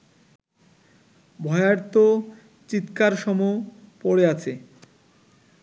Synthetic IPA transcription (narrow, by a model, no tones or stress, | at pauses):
bʱɔeaɾt̪o | t͡ɕit̪kaɾʃɔmopoɽeat͡ɕʰe